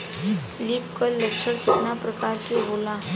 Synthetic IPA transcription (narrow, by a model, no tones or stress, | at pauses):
lipkəlləkʂəɽkit̪napɾəkaɾkiɦola